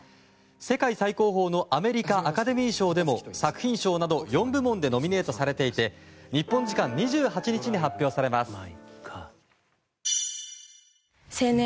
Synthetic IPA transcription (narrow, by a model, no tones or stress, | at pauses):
se̞kaisaiko̞ːɦo̞ːno̞ʔame̞ɾʲikaʔakad̪e̞mʲiːɕo̞ːd̪e̞mo̞sakɯ̟̥çĩɰ̃ɕo̞ːnad̪o̞jõ̞mbɯ̟mõ̞nd̪e̞no̞mʲine̞ːt̪o̞saɾe̞t̪e̞it̪e̞ɲ̟ipːõɲ̟d͡ʑikãɲ̟ɲːiʑɨːɦat͡ɕiɲ̟it͡ɕiɲ̟iɦapʲːjo̞ːsaɾe̞masɨ̥ | se